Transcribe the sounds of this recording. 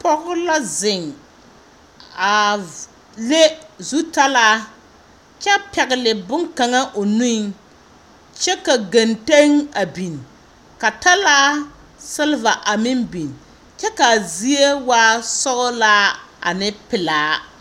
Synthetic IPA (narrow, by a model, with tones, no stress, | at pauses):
pɔ˦ɣʊ˦la˦zɪ˨ŋ | a˨ | le˦zu˦ta˦laː˦ | t͡ʃɛ˦pɛ˨ɣɪ˨lɪ˨bʊ˦ŋka˨ŋa˦ʔo˨nũ˦ | t͡ʃɛ˦ka˨ɡa˨nte˦ŋa˨bi˨n | ka˨ta˦laː˦ | sɪ˦lva˨ʔa˨mɪ˦mbi˨n | t͡ʃɛ˦ka˨zi˦e˦waː˦sɔ˦ɣʊ˦la˦a̰˨nɪ˦pɪ˨laː˨˦